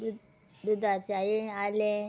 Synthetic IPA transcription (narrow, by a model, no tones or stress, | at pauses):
d̪ud̪at͡sajiale